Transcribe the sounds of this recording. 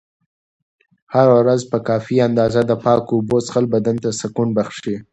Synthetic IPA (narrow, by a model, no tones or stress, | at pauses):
haɾawɾazpəkɑfiand̪ɑzad̪əpɑkːbosxalbad̪ant̪asakuɳbaxʃi